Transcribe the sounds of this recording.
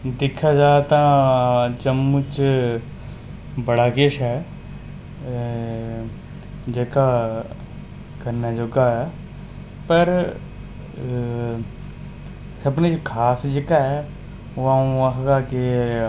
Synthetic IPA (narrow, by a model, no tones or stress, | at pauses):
d̪ɪkʰːaːd͡ʒaːt̪ãːt͡ʃəmʊt͡ʃ | bəɽaːkeːʃɛː | d͡ʒeːkaː | kəɾnaːd͡ʒoɡaːɛː | pəɾ | səbnet͡ʃkʰaːsd͡ʒeːkaɦɛː | aũːəkɡaːkeː